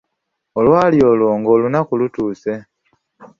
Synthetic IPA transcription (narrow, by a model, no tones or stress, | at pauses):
olwaːljolwoːŋɡoːlunakulutuːse